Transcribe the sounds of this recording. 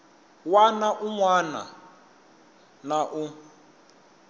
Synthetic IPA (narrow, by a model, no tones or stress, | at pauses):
wanaʔuŋwana̰ | naʔu